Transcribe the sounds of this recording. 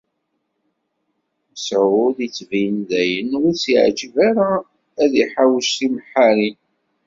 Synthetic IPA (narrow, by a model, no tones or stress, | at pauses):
əsʕʊðit͡sːvijənðæjənʊɾsiʕd͡ʒvaɾa | æðiħawʃimħaɾin